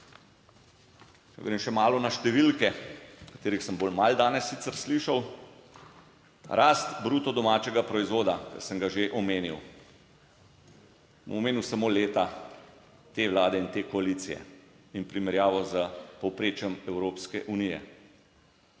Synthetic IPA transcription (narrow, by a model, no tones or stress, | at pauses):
t͡ʃɛ̰ɡɾeːmʃɛmaːlɔnaʃt̪ɛʋilkɛkḁt̪eːɾixsəmboːlmald̪aːnɛsːit̪əɾsliʃaw | ɾʔaːst̪bɾuːt̪ɔd̪ɔmaːt͡ʃɛɡapɾɔizʋoːd̪akə̰ɾsəŋɡaʒeʔɔmeːniw | bo̰mɔmeːniwsamoːleːt̪a | t̪eʋlaːd̪ɛint̪eːkɔalit̪sijɛ̰ | inpɾimɛɾjaːʋɔzəpɔwpɾeːt͡ʃjɛmɛwɾoːpskɛʔunijɛ̰